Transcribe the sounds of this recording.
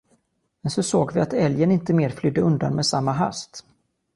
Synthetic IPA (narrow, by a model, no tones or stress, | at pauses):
mɛnsɔsoːɡvɪat̪ɛljənɪnt̪əmeːɾflʏd̪ːəɵnd̪a̰nmeːsamːaɦa̰st̪